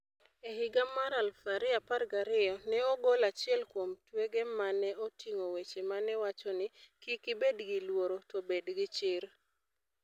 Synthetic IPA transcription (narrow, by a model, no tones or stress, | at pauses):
eɦiɡamaɾalfaɾɪaparɡaɾɪɔnɛɔɡolat͡ʃɪɛlkwomtweɡɛmanɛotiŋowet͡ʃemanɛwat͡ʃɔnɪkikɪbedɡilwoɾotobedɡɪt͡ʃɪɾ